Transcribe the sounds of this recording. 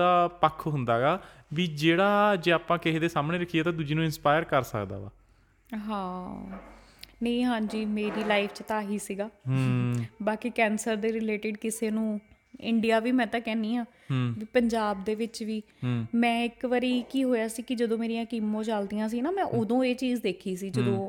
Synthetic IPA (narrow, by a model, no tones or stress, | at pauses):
aːpəkʰːɦʊnd̪aːɡaːʋiːd͡ʒeːɽaːd͡ʒeːaːpãːkɪɦeːd̪eːsaːmɳeːɾəkʰieːt̪ãːd̪ud͡ʒiːnũːɪnspaːjəɾkəɾsə̰kd̪a̰ːʋa̰ː | ɦãː | nə̃ĩːɦãːɲd͡ʒiːmeːɾiːlaːipʰt͡ʃt̪aːɦiːsiːɡaːɦbaːkiːkɛːnsəɾd̪eːɾɪleːʈɪɖkɪseːnũː | ɪ̰ɳɖijaːʋiːmɛ̃ːt̪ãːkɛːniːɦãː | ɦʋiːpəɲd͡ʒaːb̚d̪eːʋɪt͡ʃʋiː | mɛ̃ːɪkʋəɾiːkiːɦoːjaːsiːkɪd͡ʒəd̪õːmeːɾijãːkiːmːõːt͡ʃald̪ijãːs̬iːnaːmɛ̃ːʔʊd̪õːeːt͡ʃiːzd̪eːkʰiːs̬iːd͡ʒəd̪õː